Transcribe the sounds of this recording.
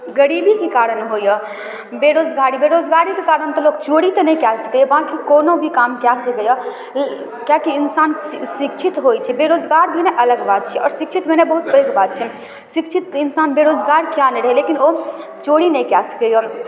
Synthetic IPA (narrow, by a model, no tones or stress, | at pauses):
ɡəɾibikekaɾənɦojə | beɾod͡ʒɡaɾibeɾod͡ʒɡaɾikekaɾənt̪ɔlokt͡ʃoɽit̪ɔnɛkasə̥kejəbãkikonobʱikamkjasəkəja | kjakiːnsansikt͡ʃʰit̪ɦojt͡ʃʰɛbeɾod͡ʒɡaɾbʱineʔələɡbad̪̚t͡ʃʰɛɔ̰ːɾsik̚t͡ʃʰit̪bʱenebəɦut̪bəɡbad̪̚t͡ʃʰɛ | sikt͡ʃʰit̪insanbeɾod͡ʒɡaɾkjanɛɾəɦɛlekino | t͡ʃoɽinɛjkjasə̥keja